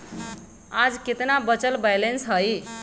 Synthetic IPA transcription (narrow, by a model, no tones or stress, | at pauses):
ad͡zket̪nabʌt͡səlbajlensɦəj